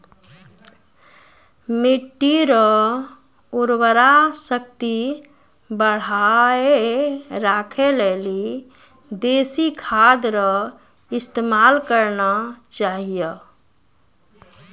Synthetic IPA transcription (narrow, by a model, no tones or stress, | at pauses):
miʈːiɾə | uɾbəɾasək̚t̪i | bəɽ̤aeɾakʰeleli | d̪esikʰad̪ɾə | ist̪emalkəɾnat͡ʃaɦijə